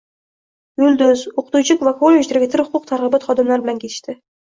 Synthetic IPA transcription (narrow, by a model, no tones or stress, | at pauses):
ɡʊld̪ɵzoqʰʊ̥t̪ut͡ʃʰɪkʲvakʰolʲːeʒd̪eɾɡʲɪt̪ʰɪɾhʊqʰʊq̚t̪ʰaɾʁɨbɑt̪χɒd̪ɨmlˠaɾbɪlaŋkʲet̪ʰɪ̥ʃt̪ɪ